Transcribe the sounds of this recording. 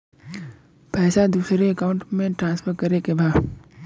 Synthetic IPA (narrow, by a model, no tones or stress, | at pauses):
pɛːsad̪uːsɾeəkaːʊ̃ɳʈmẽʈɾãːnspʰəɾkɐɾekebaːd̪